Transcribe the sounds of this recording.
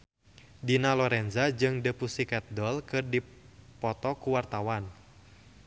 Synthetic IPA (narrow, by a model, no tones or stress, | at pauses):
dinalɔɾɛnzad͡ʒɨŋdəpusikɛt̪̚dɔlkɨrdipɔt̪ɔkuwart̪awan